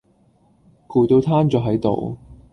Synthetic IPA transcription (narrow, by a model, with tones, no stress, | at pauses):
kʰuː˨˩t̪o˧wt̪ʰaː˥nt͡sœː˨˩ɦɐ˨˥jt̪o̰˨w